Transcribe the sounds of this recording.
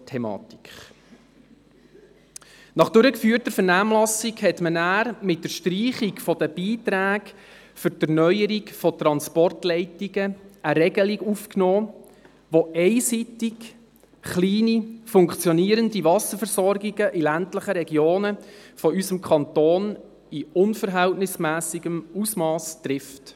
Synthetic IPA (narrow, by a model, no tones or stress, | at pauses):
tʰɛmɑ̰ːti̥kχ | nɑχd̥ʉɾəkfyːrtəɾfəɾnæːmlɑsiɡhɛtmənæːɾmɪtdəʃtɾiːχikfɔd̥̪əbiːtɾæːɡ | fʏɾdəɾnœʏəɾikfɔt̪ɾɑnspɔrtlɛɪtiɡəəɾɛɡəliɡufknoː | ʋoʔɛɪsitɪk | χliːnifʊŋkt͡sjɔniːəɾəndivɑsəfəɾsɔrɡiɡəʔilæntləχəɾɛɡjoːnəfɔysəmkʰχɑnt̪oːn | iʊnfəɾɦæltnɪsmæːsiɡəmusmɑːstɾɪft